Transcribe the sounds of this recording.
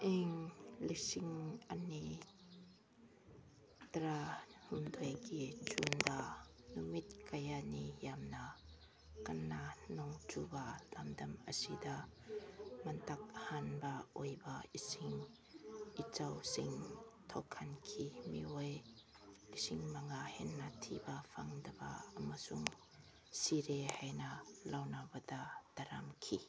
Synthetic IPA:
ʔɛŋlisiŋani | t̪ɾahumd̪ɔjkid͡ʒund̪a | numit̪̚kajanijamna | kɐnːanɔŋt͡subalɐmdɐməsid̪a | mɐntak̚hanbaʔojbaisiŋ | it͡sawsiŋtʰɔkʰːɐnkʰimiɔj | isiŋmɐŋahinːatʰibafʰaŋdɐba̰ɐmasuŋ | siɾehajnɐlawnabadat̪ɐɾamkʰi

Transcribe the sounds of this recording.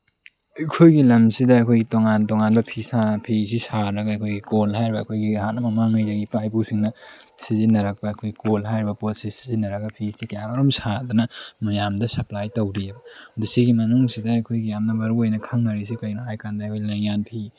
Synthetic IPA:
ɐjkʰojɡilɐmsidɐːjkʰojɡitoŋantoŋanbɐpʰisapʰisisaɾɐɡaɐjkʰojɡikolɦajɾibɐːkʰojɡihanɐmɐmaŋɐjzɐɡipajpusiŋnɐ | sizinɐɾɐk̚paːkʰojɡikolɦajɾibɐpotsisi̥zinːɐɾɐɡɐpʰisikɐjamɐɾomsadɐnɐmɐjamdɐsɐplajtɐwɾiebɐdisiɡimɐnuŋsidɐːjkʰojɡijamnɐbɐɾuojnɐkʰaŋnɐɾis̬ikɐjnaajkandɐɐjkʰojlɐjŋanpʰi

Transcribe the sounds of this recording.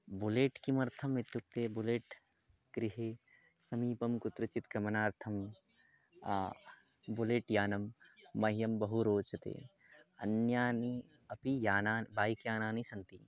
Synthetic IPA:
buleːʈkimɐɾt̪ʰɐmʋɪt̪juk̚t̪eːbʊleːʈ | ɡɾɪɦeː | sɐmiːpɐmkʊt̪ɾɐt͡ʃɪt̪kɾɐmɐnaːɾt̪ʰɐm | buleːʈjaːnɐmːɐɦjɐmbɐɦuɾoːt͡ʃɐt̪ḛː | ɐ̰njaːni | ɐpijaːnaːbʱaːikjaːnaːnisɐ̃nt̪i

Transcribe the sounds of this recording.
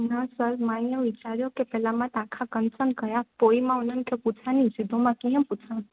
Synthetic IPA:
nãsəɾmanjəʋit͡ʃaɾjokepɛlamãt̪ãkʰakənsənkəjapoimãunəmkeput͡ʃʰanisid̪ʱomãkijə̃put͡ʃʰa

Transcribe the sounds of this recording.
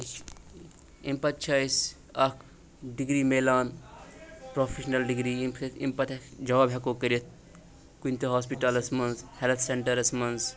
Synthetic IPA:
impɐt̪t͡ʃʰajs | ɐkʰ | ɖiɡɾiːmeːlaːn | pɾoːfʰeʃnɐlɖiɡɾiːḭmpɐt̪ɐkd͡ʒɐʋaːbɦekoːkɐɾit̪̚ʰ | kunʲt̪eɦaːspiʈɐlɐsmɐnzhelt̪ʰseɳʈɐɾɐsmɐnz

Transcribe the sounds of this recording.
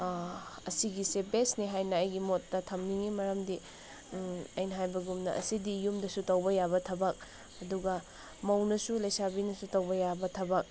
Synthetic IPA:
ɐsiɡisebesniɦajnɐːjɡimotːɐtʰɐmniŋimɐɾɐmdi | ɐjnɐɦajbɐɡumnɐʔɐ̰sidijumdɐsutɐwbɐjabɐtʰɐbɐk̚ | ɐduɡɐ | mɐwnɐsulɐjsabinɐsutɐwbɐjabɐtʰɐbɐk̚

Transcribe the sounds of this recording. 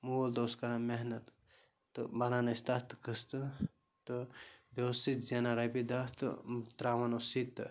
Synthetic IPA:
muld̪oːskɐɾameɦnɐt̪ː | ɨbɐlanɐst̪at̪kɨst̪ɨ | t̪ɨbewst̪it̪zenaɾɐbid̪at̪ɨ̰t̪ɾaːʋɐnosit̪

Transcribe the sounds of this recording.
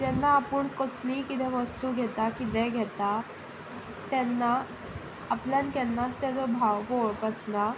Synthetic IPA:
d͡ʑɛnːaːpəɳkəsliːkit̪ɛ̃ʋəst̪uɡʱɛt̪akit̪ɛ̃ɡʱɛt̪a | t̪ɛnːaː | pljankɛnːast̪jad͡zɔbʱaʋkoɭpəsna

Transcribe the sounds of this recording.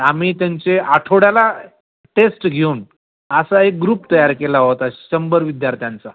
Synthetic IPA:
amiːt̪jaɲt͡seaʈʰoɽjala | ʈesʈɡʱeun | əsaek̚ɡɾuːpt̪əjaɾkelaɦot̪aɕəmbəɾʋid̪jaɾt̪ʰjant͡sa

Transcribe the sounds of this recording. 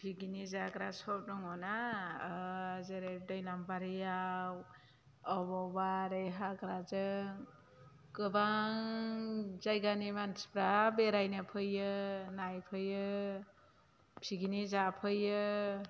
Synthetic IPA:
pʰiɡinizakɾasɔp̚duŋɔnaː | zeɾep̚dɯjlampaɾɯjaw | ɔbɔbaɾejɦakɾazɯŋ | kɯbaŋ | zajɡanimanspɾabeɾajnapʰɯjɯnajpʰɯjːɯ | pʰiɡinizapʰɯjɯ

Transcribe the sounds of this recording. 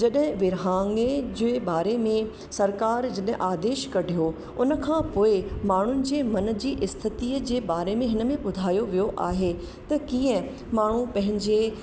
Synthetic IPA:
d͡ʑɐɗɦɪ̃ʋɪɾɦaːŋed͡ʑʊebaːɾemẽ | sɐɾkaːɾd͡ʑɐɗɦɪ̃ʔaːd̪eːʃkɐɖʱijo | ʊnə̆kʰãːpoːɪmaːɳ̤ʊnɪ̆d͡ʑeːmɐn̆d͡ʑiːʔɪst̪ʰɪt̪iːəd͡ʑeːbaːɾemẽɦɪnəmẽɓʊd̪ʱaːjoʋijoʔa̰ːɦe | t̪ɐkiːə̃ | maːɳ̤ũpɐ̃ɦɪ̃ɲd͡ʑe

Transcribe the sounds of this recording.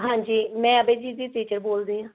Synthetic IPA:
ɦãːɲd͡ʒiːmɛ̃ːəbeːd͡ʒiːd̪iːʈ̪iːt͡ʃəɾboːld̪iːɦãː

